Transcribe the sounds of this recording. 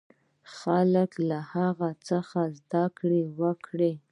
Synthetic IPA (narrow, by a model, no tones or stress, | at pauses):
xaləklahaɣat͡səxazd̪akɽewəkɽe